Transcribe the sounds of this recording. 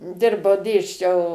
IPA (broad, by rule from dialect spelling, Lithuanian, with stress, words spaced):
ˈdʲɪrbɐʊ ˈdʲeːsʲt͡ʃʲɛʊ